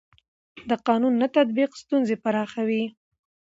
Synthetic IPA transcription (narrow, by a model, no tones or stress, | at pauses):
d̪əqɑnunːat̪at̪̚biqst̪unzepaɾɑxawi